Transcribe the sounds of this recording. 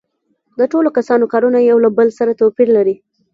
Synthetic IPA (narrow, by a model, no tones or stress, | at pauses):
d̪əʈolokasɑnokɑɾunajawlabəlsaɾat̪opiɾlaɾi